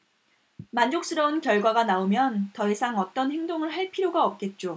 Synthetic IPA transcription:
mand͡ʑok̚s͈ɯɾʌunkjʌɭɡwaɡanaomjʌntʌisʰaŋʌt͈ʌnhe̞ŋdoŋɯɭɦaɭpʰiɾjoɡaʌp̚k͈e̞t̚t͡ɕ͈o

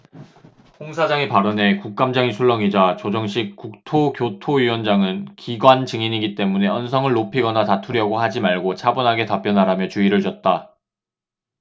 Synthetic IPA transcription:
hoŋsʰad͡ʑaŋepaɾʌne̞kuk̚k͈amd͡ʑaŋisʰuɭːʌŋid͡ʑat͡ɕod͡ʑʌŋɕ̬͈ʰik̚k͈uk̚tʰoɡjotʰoɥiwʌnd͡ʑaŋɯnkiɡwant͡ɕɯŋiɲiɡit͈e̞mune̞ʌnsʰʌŋɯɭːopʰiɡʌnatatʰuɾjʌɡohad͡ʑimaɭɡot͡ɕʰabonɦaɡe̞tap͈jʌnɦaɾamjʌt͡ɕuiɾɯɭd͡ʑʌt̚t͈a

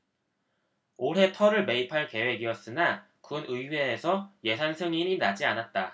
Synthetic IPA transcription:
oɾɦe̞tʰʌɾɯɭme̞ipʰaɭke̞we̞ɡiʌs͈ɯna | kunɯiwe̞ːsʰʌje̞sʰansʰɯŋiɲinad͡ʑianat̚t͈a

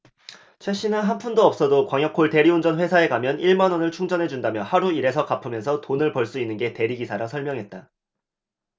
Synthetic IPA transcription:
t͡ɕʰweɕ͈inɯnɦanpʰundoʌp̚s͈ʌdokwaŋjʌk͈ʰːoɭte̞ɾiund͡ʑʌnɸwe̞sʰae̞kamjʌniɭmanʌnɯɭt͡ɕʰuŋd͡ʑʌnɦe̞d͡ʑundamjʌhaɾuiɾe̞sʰʌkapʰɯmjʌnsʰʌtonɯɭpʌɭs͈uinːɯnɡe̞te̞ɾiɡisʰaɾasʰʌɭmjʌŋɦe̞t̚t͈a

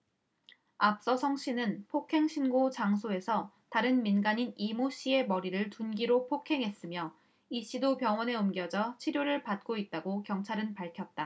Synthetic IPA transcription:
ap̚s͈ʌsʰʌŋɕ͈inɯnpʰokʰe̞ŋɕʰinɡot͡ɕaŋsʰoe̞sʰʌ | taɾɯnminɡaɲinimoɕ͈ʰie̞mʌɾiɾɯɭtunɡiɾopʰokʰe̞ŋɦe̞s͈ɯmjʌ | iɕ͈idopjʌŋwʌne̞ɯmɡjʌd͡ʑʌt͡ɕʰiɾjoɾɯɭpat̚k͈oit̚t͈aɡokjʌŋt͡ɕʰaɾɯnpaɭkʰjʌt̚t͈a

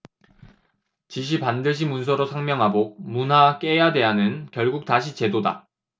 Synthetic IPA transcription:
t͡ɕiɕ̬ʰipandɯɕ̬ʰimuns̬ʰʌɾosʰaŋmjʌŋɦabok̚munɦak͈ejade̞ɦanɯnkjʌɭɡuk̚taɕʰit͡ɕe̞doda̰

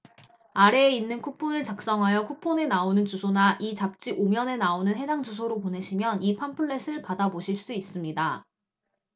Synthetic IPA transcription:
aɾe̞ːinːɯnkʰupʰonɯɭt͡ɕak̚s͈ʌŋɦajʌkʰupʰone̞naonɯnt͡ɕusʰonaʔit͡ɕap̚t͡ɕ͈iʔomjʌne̞naonɯnɦe̞d͡ʑaŋd͡ʑus̬ʰoɾopone̞ɕʰimjʌnipʰanpʰɯɭːe̞sʰɯɭpadaboɕʰiɭs͈uis͈ɯmɲida

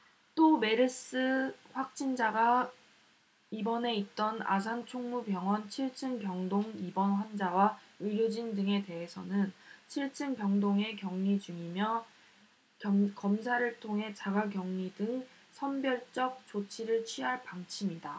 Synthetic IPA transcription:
t͈ome̞ɾɯs͈ɯɸwak̚t͡ɕ͈ind͡ʑaɡa | ibʌne̞it̚t͈ʌna̰s̬ʰant͡ɕʰoŋmubjʌŋwʌnt͡ɕʰiɭt͡ɕʰɯnkjʌŋdoŋibʌnɸwand͡ʑawaɯɾjod͡ʑindɯŋe̞te̞ɦesʰʌnɯnt͡ɕʰiɭt͡ɕʰɯnkjʌŋdoŋe̞kjʌŋɲid͡ʑuŋimjʌ | kʌmsʰaɾɯɭtʰoŋɦe̞t͡ɕaɡakjʌŋɲidɯŋ | sʰʌnbjʌɭt͡ɕ͈ʌk̚t͡ɕot͡ɕʰiɾɯɭt͡ɕʰɥiɦaɭpaŋt͡ɕʰimida

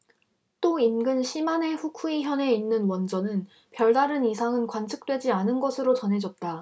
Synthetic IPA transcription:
t͈oinɡɯnɕʰimane̞ɸukʰuiçjʌne̞inːɯnwʌnd͡ʑʌnɯn | pjʌɭdaɾɯnisʰaŋɯnkwant͡ɕʰɯ̥k̚t͈we̞d͡ʑianɯnɡʌsʰɯɾot͡ɕʌnɦe̞d͡ʑʌt̚t͈a

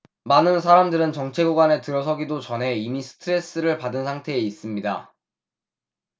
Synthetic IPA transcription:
manɯnsʰaɾamdɯɾɯnt͡ɕʌŋt͡ɕʰe̞ɡoɡwane̞tɯɾʌs̬ʰʌɡidot͡ɕʌnɦe̞imisʰɯ̥tʰɯɾe̞s͈ɯɾɯɭpadɯnsʰaŋtʰe̞ːis͈ɯmɲida̰

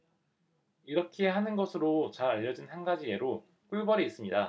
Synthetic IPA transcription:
iɾʌkʰeɦanɯnɡʌsʰɯɾot͡ɕaɾaʎːʌd͡ʑinhanɡad͡ʑie̞ɾo | k͈uɭbʌɾiːs͈ɯmɲida

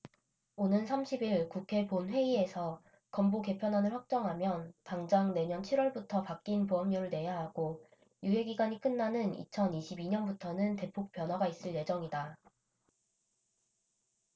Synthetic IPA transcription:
onɯnsʰamɕʰibiɭkukʰe̞ponɸwe̞ie̞sʰʌ | kʌmboke̞pʰjʌnɦwanɯɭɸwak̚t͡ɕ͈ʌŋɦamjʌnpaŋd͡ʑaŋne̞ɲʌnt͡ɕʰiɾwʌɭbutʰʌpak͈̚inpuɦʌmɲoɾɯɭne̞jaɦaɡ̥o | juɦe̞ɡiɡwaɲik͈ɯnːanɯnḭt͡ɕʰʌniɕʰibiɲʌnbutʰʌnɯnte̞pʰok̚p͈jʌnɦwaɡais͈ɯɭje̞d͡ʑʌŋida

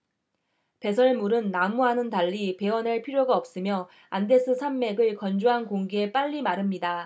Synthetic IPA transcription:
pe̞sʰʌɭmuɾɯnːamuɦanɯntaʎːipe̞wʌneɭpʰiɾjoɡaʌp̚s͈ɯmjʌ | ande̞sʰɯsʰamːe̞ɡɯɭkʌnd͡ʑuɦankoŋɡeep͈aʎːimaɾɯmɲida

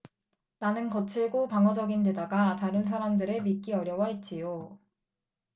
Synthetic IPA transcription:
nanɯnkʌt͡ɕʰiɭɡopaŋʌd͡ʑʌɡinde̞daɡataɾɯns̬ʰaɾamdɯɾe̞mik͈iʌɾjʌwait̚t͡ɕ͈ijo

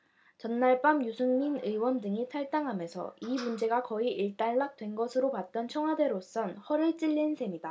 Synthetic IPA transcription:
t͡ɕʌnːaɭp͈amjusʰuŋminɯiwʌndɯŋitʰaɭt͈aŋɦamjʌnsʰʌ̰imund͡ʑe̞ɡakʌiʔiɭt͈aɭːak̚t͈we̞nɡʌsʰɯɾopat̚t͈ʌnt͡ɕʰʌŋɦwade̞ɾos͈ʌnhʌɾɯɭt͡ɕ͈iʎːinsʰe̞mida

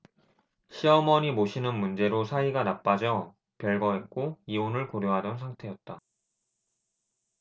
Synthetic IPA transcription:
ɕʰiʌmʌɲimoɕʰinɯnmund͡ʑe̞ɾosʰaiɡanap͈ad͡ʑʌ | pjʌɭɡʌɦe̞t̚k͈oionɯɭkoɾjoɦadʌnsʰaŋtʰe̞jʌt̚t͈a

